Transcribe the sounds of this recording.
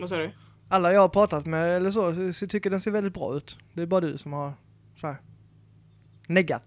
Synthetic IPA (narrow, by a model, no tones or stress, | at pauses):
ʋasɑːɖɵ | alːajɑːhapʰɾɑːt̪at̪mɛɛlːəʂ̬ost̪ʰʏkːəɖɛnseːɾvɛlɪt̪̚bɾɑ̰ːʉ̟ːt̪d̪ɛæɾbɑːɾad̪ɵ̰sɔmhaɾ | sæːɾ | nɛɡːa̰t̪